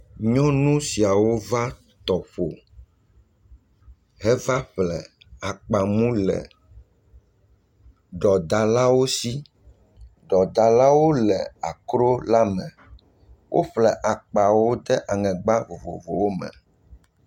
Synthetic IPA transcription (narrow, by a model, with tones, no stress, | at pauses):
ɲɔ̃˦nũ˦si˨a˨wo˦va˦ | t̪ɔ˨ɸo˨ | ɦɛ˦va˦ɸlɛ̰˨ | a˨k͡pa˨mũ˦lɛ̰˨ | ɖɔ˨d̪a˨la˦wo˦si˦ | ɖɔ˨d̪a˨la˦wo˦lɛ˨a˨kɾo˦la˦mɛ̃˨ | wʔo̰˦ɸlɛ˨ʔa˨k͡pa˨wo˦d̪ɛ˦ʔa˨ŋɛ̃˨ɡ͡ba˦˨vo̰˨vo˨wo˦mɛ̰̃˨